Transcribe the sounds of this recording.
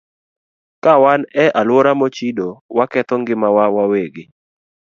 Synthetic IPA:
kawanɛʔalwoɾamot͡ʃidowakɛt̪ɔŋɡɪmawawaweɡɪ

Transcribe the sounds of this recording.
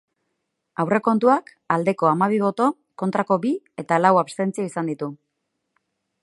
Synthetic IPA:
awre̞ko̞nt̪uak | ald̪e̞ko̞amaβ̞iβ̞o̞t̪o̞ | ko̞nt̪ɾako̞bi | e̞t̪alawaβst̪e̞nt͡siaisand̪it̪u

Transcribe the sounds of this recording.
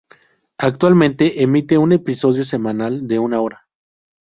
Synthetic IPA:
ak̚t̪walmẽ̞nt̪e̞ʔemit̪e̞une̞piso̞ð̞jo̞se̞mãnald̪e̞unao̞ɾa

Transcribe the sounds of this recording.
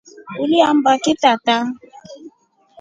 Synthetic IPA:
uliam̩bakɪtata

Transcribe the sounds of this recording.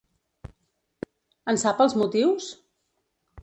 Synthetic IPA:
ənsapəlˠzmut̪iws

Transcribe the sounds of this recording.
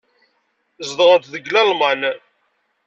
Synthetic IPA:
zd̪ʁənt̪ðəɡlælmɑn

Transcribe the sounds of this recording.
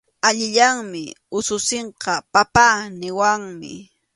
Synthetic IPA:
aʎɪʎaŋmɪʊsʊseɴqɑpapaːnɪwaŋmɪ̰

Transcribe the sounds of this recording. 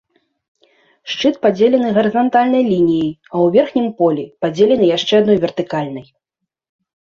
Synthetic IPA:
ʂt͡ʂɨt̪̚pad͡zʲelʲɛnɨɣɐɾɨzant̪alʲnɐjlʲinʲijiɐwvʲɛrxnʲimpɔlʲipad͡zʲelʲɛnɨjaʂt͡ʂɛad̪nɔjvʲɛrt̪ɨkalʲnɐj

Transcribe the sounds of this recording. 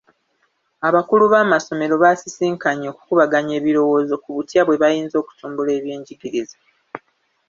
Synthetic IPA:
aβakuluβaːmaso̞me̞ɾo̞βasisiːŋkaɲo̞ːku̥kuβaɡaɲe̞ːβiɾo̞wo̞ːzo̞kuβutjaβwe̞βajiːnzo̞ːku̥tuːmbule̞ːβje̞ːɲɟiɡiɾiza

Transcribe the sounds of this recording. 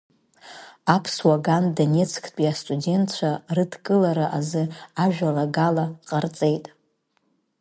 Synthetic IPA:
apʰswaɡandane̞t͡sʰkʰʼt͡pʼiastʼudʲe̞ntʰt͡ʃʷʰarɨdkʼɨlaɾaʔazɨaʒᶣalaɡalaqʼart͡sʼe̞jtʼ

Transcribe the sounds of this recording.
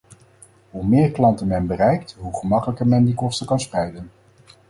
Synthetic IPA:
ɦumɪːɹklɑntənmɛnbərɛjk̚tɦuχəmɑkələkəɹmɛndikɔstəkɑnsprɛjdən

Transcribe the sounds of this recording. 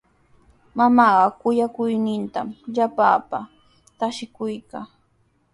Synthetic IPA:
mamɑɢɑkʊjakʊjnɪnt̪amʎapaːpa | t̪aʃɪkʊjkaː

